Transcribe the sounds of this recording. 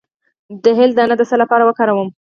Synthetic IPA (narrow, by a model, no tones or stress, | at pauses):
d̪əɦɪld̪əanad̪əsəlapɑɾawəkɑɾawəm